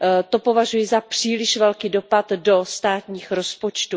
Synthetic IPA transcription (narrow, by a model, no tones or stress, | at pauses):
t̪o̞po̞vaʒujɪzapr̝̥iːlɪʃvɛlkiːdo̞pat̪do̞st̪aːt̪ɲiːxɾo̞spo̞t͡ʃt̪u